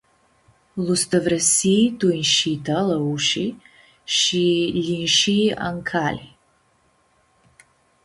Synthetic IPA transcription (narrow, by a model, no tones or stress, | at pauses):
lusdɐvɾɐsiduinʃiːtʰɐlɐuʃi | ʃilinʃia̰ŋkʰaːli